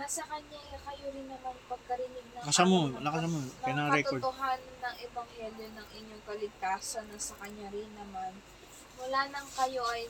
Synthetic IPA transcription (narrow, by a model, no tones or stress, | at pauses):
nɐsɐkɐɲakɐjoɾɪnːɐmanpɐɡ̚kɐɾɪnɪɡ̚nɐŋkɐsamonɐkɐsamonɐjnaŋɾɛkt̪oɹd̪ʊɦanːɐŋɛbɐŋhɛljonɐŋʔɪɲːoŋkɐlɪɡ̚t̪aːsɐnɐsɐkɐɲːaɾɪnːɐman | mʊlaːnɐŋkɐjo̞ʔɐj